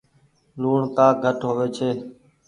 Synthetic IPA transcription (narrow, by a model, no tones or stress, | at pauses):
luːɳkaːɡʱəʈɦoːʋeːt͡ʃʰeː